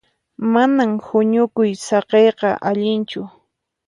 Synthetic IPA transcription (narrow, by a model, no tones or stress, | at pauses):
manamhʊɲʊkʊjsɑqejqɑʔaʎɪnt͡ʃʊ